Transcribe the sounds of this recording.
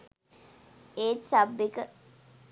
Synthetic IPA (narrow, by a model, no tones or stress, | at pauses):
eːt̪sabːekə